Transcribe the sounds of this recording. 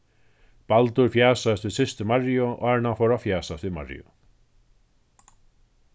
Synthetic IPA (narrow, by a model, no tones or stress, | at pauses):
palt̪ʏɾ̥fjaːsaɪst̪vɪðsɪst̪ʏmarjʊɔ̰ɣaɹnafowɾafjaːsast̪viðma̰rj̰ʏ̰